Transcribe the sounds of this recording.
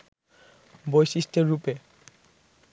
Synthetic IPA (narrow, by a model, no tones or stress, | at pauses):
bojsisʈeɾːupe